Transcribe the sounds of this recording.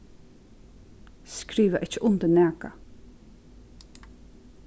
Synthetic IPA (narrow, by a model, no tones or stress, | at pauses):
skɾiːʋəʔɪt͡ʃəʔʊnt̪ənæːka̰